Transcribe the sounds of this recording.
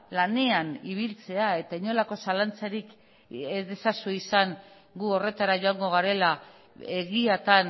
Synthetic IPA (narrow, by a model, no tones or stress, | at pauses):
lane̞aniβ̞ilt͡se̞ae̞t̪aiɲo̞lako̞salant͡saɾik | ezðe̞sasuisaŋ | ɡuo̞re̞t̪aɾaʝo̞aŋɡo̞ɣ̞aɾe̞la | eɣiat̪an